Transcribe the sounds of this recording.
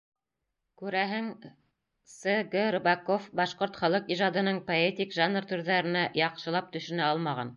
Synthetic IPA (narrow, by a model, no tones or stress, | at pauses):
kʉɾæɦɘŋ | sɤɡorbɑkofbɑʃqoɾt̪χɑlˠɤqiʒɑd̪ɤ̆nɤɴpoet̪ʲikʒanrt̪ɵ̆ɾðæɾɘ̆næjɑqʃɤ̆lˠɑp̚t̪ɵ̆ʃɵ̆næɑlˠmɑʁɑ̰n